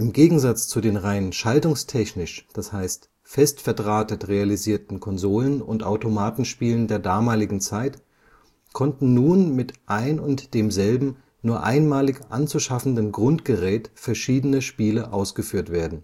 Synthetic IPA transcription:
ʔɪmɡeːɡŋ̩zat͡st͡sudeːnʁaɪnənʃaltʊŋstʰɛçnɪʃd̥ashaɪst | fɛstfɛɐdʁaːtətʁealiziːɐtn̩kʰɔnzoːlənʊntʔa̰ʊtomaːtn̩ʃpiːləndeːɐdaːmaːlɪɡŋ̩t͡saɪt | kʰɔntn̩nuːnmɪtʔaɪnʊntd̥eːmzɛlbm̩ | nuːɐʔa̰ɪnmaːlɪçʔa̰nt͡suʃafn̩dənɡʁʊntɡ̥əʁɛːtfɛɐʃiːdənəʃpiːləʔaʊsɡ̥əfyːɐtv̥eːɐdn̩

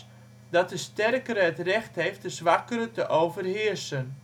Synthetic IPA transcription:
dɑt̚dəstɛrkəɾəɦətrɛxtɦejft̚dəzʋakəɾətəʔowvərɦɪərsən

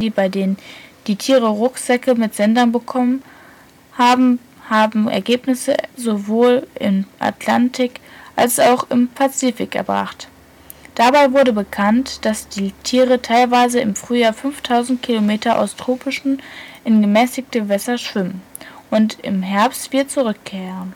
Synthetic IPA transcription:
d̥iːbaɪdeːnənd̥iːtʰiːʁəʁʊkz̥ɛkəmɪtz̥ɛndɐnbəkʰɔmən | haːbm̩ | haːbm̩ɛ̰ɐɡeːpnɪsəzovoːlʔɪ̰nʔa̰tʰlantʰɪkʔalsaʊxɪmpʰat͡siːfɪkʔɛ̰ɐbʁa̰χt | d̥abaɪvʊɐɾəbəkʰantd̥asd̥iːtʰiːʁətʰaɪlvaɪzəɪmfʁ̥yːjaːɐfʏnftʰaʊzn̩t̚kʰilomeːtɐʔa̰ʊstʁ̥oːpɪʃn̩ʔɪnɡəmɛːsɪç̚təvɛsɐʃv̥ɪmənʔʊntɪ̰mɦɛɐpstv̥iːdɐt͡suʁʏkʰːɛːʁən

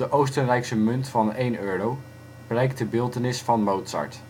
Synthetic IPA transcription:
əʔowstənrɛjksəmɵntfɑnejnøːrow | blɛjk̚tdəbɪːlˠtənɪsfɑnmowtsɑ̰ɹt

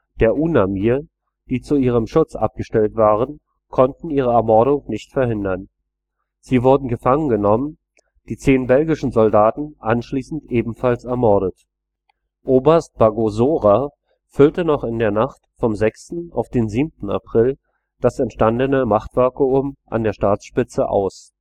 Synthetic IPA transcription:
d̥eːɐʔuːnamiːɐ | d̥iːt͡suiːʁ̞əmʃʊt͡sʔa̰p̚ɡ̥əʃtɛltv̥aːʁ̞ən | kʰɔntn̩iːʁ̞əɛɐmɔɐɾʊŋnɪçtfɛɐhɪndɐn | z̥iːvʊɐdn̩ɡəfaŋənɡənɔmən | d̥iːt͡seːnbɛlɡɪʃn̩zɔldaːtn̩ʔanʃliːsn̩tʔeːbm̩falsɛɐmɔɐɾət | ʔoːbɐɐst̚b̥aɡozoːʁa | fʏltənɔχɪndeːɐnaχtfɔmzɛkstn̩a̰ʊfd̥eːnziːmtn̩a̰pʁ̥ɪl | d̥asɛntʃtandənəmaχtv̥ɛɐkəʊmʔa̰ndeːɐʃtaːt͡sʃpɪt͡səʔa̰ʊs

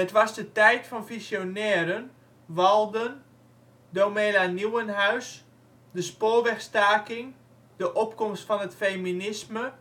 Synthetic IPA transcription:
ətʋɔsdətɛjtfɔnfisjonɛːɾən | ʋɑlˠdən | domeːlaniwənɦaɥs | dəspoːʋɛxstaːkɪŋ | dəʔopkɔmstfɔnətfejminɪsmə

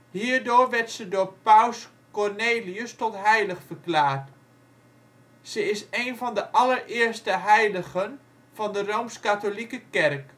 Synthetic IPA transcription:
hiːɹdoːɹʋɛɹtsədoːpaws | kɔrneːliəstɔtɦɛjləχfəklaːɹt | səɪseːnvɑndəʔɑlərɪːəɹstəɦɛjləɣən | v̥ɑndərowmskatolikəkɛrk

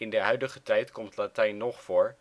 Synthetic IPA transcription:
ɪndəɦœɥdəχətɛjtkɔmtlatɛjnːɔχfʊːɹ

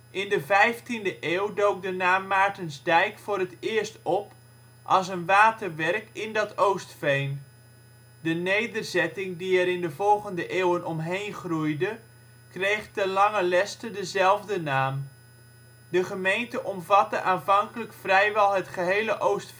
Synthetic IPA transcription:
ʔɪndəvɛjftindəʔeːwdowk̚dənaːmːaːɹtənzdɛjkfʊːɾətɪːəɹstɔp | ʔɑlˠs̬ənʋaːtərʋɛrkɪndɑtowstfejn | dənejdərzɛtɪŋdiɛɾɪndəvɔlˠχəndəʔeːwənɔmɦejnχrujdə | krejχtənlɑŋəlɛstədəzɛlˠvdənaːm | dəχəmejntəʔɔmvɑtəʔaːnvɑŋkələkfrɛjʋɛlˠɦətχəɦejləʔowst

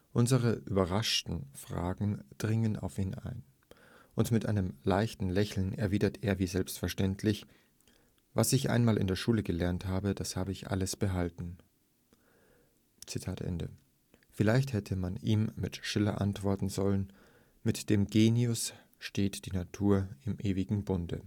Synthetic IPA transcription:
ʔʊnzəʁəʔyːbɐʁaʃtn̩fʁ̥a̰ːɡŋ̩d̥ʁɪŋəna̰ʊfiːnʔa̰ɪn | ʔʊntmɪtʔa̰ɪnəmlaɪçtn̩lɛçl̩nɛɐviːdɐtʰeːɐviːzɛlpstfɛɐʃtɛntʰlɪç | vasɪçʔa̰ɪnmaːlʔɪ̰ndeːɐʃuːləɡəlɛɐnthaːbədashaːbəɪçʔa̰ləsb̥əɦaltn̩ | t͡sitʰaːtʔɛ̰ndə̰ | fɪlaɪçthɛtʰəmaniːmmɪtʃɪlɐ̰ʔa̰ntv̥ɔɐtn̩zɔlən | mɪtd̥eːmɡeːniʊs | ʃteːtd̥iːnatʰuːɐɪmʔeːvɪɡŋ̩bʊndə̰

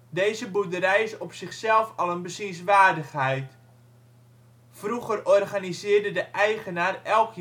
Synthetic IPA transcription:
deːzəbudəɾɛjɪsɔpsɪχsɛlˠfɑlˠənbəsisʋaːrdəχhɛjt | fruɣərɔrɣanizɪːrdədəʔɛjɣənaːrɛlˠkʰ

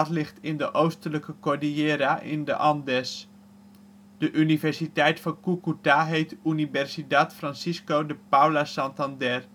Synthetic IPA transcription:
tlɪχtɪndəʔowstələkəkoɹdieːɾaʔɪ̰ndə̰ʔɑndɛs | d̥əʔynivɛɹsitɛjtfɑnkukutaɦejtynivɛrsidatfrɑnsiskowdəpawlasɑntɑndɛr

